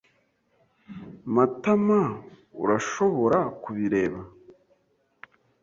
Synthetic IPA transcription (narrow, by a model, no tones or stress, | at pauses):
matama | ṵɾaʃo̞βo̞ɾakuβiɾe̞ːβa